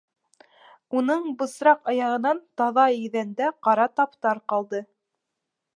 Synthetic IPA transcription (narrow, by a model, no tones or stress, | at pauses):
unɤɴbɤ̆sɾɑqɑjɑʁɤ̆nɑnt̪ɑðɑɘ̆ðænd̪æqɑɾɑt̪ɑpt̪ɑɾqɑlˠd̪ɤ